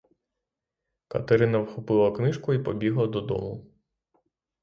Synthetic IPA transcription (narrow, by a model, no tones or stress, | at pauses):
kɐ̰t̪eɾɪnɐwxɔpɪlˠɐknɪʃkʊipɔbʲiɦlˠɐd̪ɔd̪ɔ̰mʊ